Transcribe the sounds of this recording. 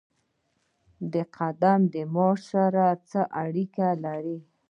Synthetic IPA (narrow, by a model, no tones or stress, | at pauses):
d̪əqʰad̪amd̪əmɔʃaɾat͡səʔaɽikalaɾi